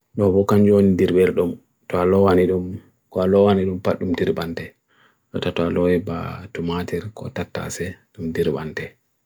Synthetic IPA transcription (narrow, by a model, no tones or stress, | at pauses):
ɗɔbɔkand͡ʒonidiɾbɛɾɗum | tɔalɔwaniɗum | kɔalɔwaniɗumpaɗːumdiɾbantɛ | ɗɔtatɔalɔwɛba̰tumatɛɾkɔ̰tatːa̰sɛɗumdiɾba̰ntɛ